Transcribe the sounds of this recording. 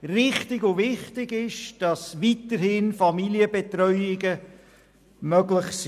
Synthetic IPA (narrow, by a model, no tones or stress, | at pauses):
rɪχtɪɡʊvɪχtɪɡɪʃd̥ɑsvitəɾhɪnfɑmiliəbɛtɾœʏɪɡə | mœɡlɪχsi